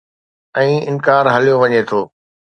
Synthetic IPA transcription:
ɛ̃ːɪnkaːɾɦɐlijoʋɐɲet̪ʰoː

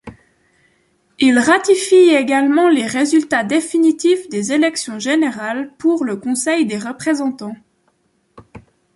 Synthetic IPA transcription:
ilʁat̪ifieɡalmɑ̃leʁezylt̪ad̪efinit̪ifd̪ezelɛksjɔ̃ʒeneʁalpuʁləkɔ̃sɛjd̪eʁəpχezɑ̃t̪ɑ̃

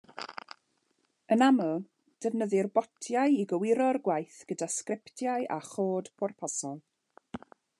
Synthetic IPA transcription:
ənamɔ | d̥əvnəðɪrbɔtʰjajiɡəwɪɾɔrɡwajθɡ̥ədaskrɪptʰjajʔa̰χoːd̥pʰɔrpʰɔsɔlˠ

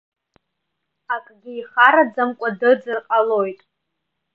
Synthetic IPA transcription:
akʼɡʲɪiχaɾad͡zɨmkʷʼadɨd͡zɨrqʼalojtʼ

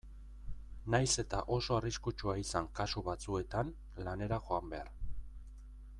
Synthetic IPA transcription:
najse̞t̪aʔo̞so̞ariskut͡ʃuaisaŋkasuβat͡sue̞t̪an | lane̞ɾaxo̞ambe̞aɾ

